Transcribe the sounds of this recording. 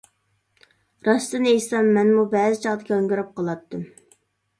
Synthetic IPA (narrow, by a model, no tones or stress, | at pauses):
ɾɑst̪ɨnejsɑmːɛnmubɛːzɪt͡ʃʰɑʁd̪ɪkʰʲoŋɡʲyɾɨp̚qʰɑlˠɑt̪ːɨm